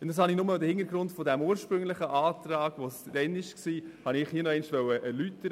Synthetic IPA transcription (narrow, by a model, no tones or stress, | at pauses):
ʊnd̥ɑshɑnɪnʊmədəhɪnəɾɡɾʊntfɔdɛmuːəɾʃpɾʏŋlɪχəʔaːtɾɑːɡ̥ʋosd̥ɛnɪʃksiːhɑnɪχhiənɔɛɪnʃʋœwəʔəlytːə